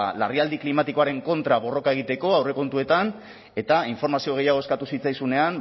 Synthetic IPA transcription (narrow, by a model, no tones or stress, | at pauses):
lariald̪iklimat̪iko̞aɾe̞ŋko̞nt̪ɾaβo̞ro̞kae̞ɣit̪e̞ko̞awre̞ko̞nt̪ue̞t̪an | e̞t̪aiɱfo̞ɾmasio̞ɣe̞jaɣ̞o̞e̞skat̪usit͡sajsune̞an